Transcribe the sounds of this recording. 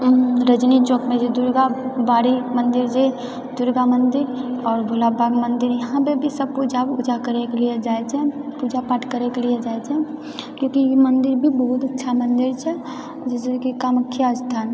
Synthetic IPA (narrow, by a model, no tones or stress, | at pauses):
ɾəd͡ʒnit͡ʃoːkmẽd͡ʒed̪ʊɾɡabaːɾimə̃nd̪ɪɾd͡ʒe | d̪ʊɾɡamə̃nd̪ɪɾɔːɾbʱolabʱaːɡmə̃nd̪ɪɾjɐɦãpebʱisəb̚pud͡ʒabʊd͡ʒakəɾekelied͡ʒaːet͡ʃʰɛpud͡ʒapaʈʰkəɾekelied͡ʒaːet͡ʃʰɛ | kjõːkijemənd̪ɪɾbʱibəɦut̪ətːʃʰamə̃nd̪ɪɾt͡ʃʰɛ | d͡ʒɪsekikaməkʰːjast̪ʰaːn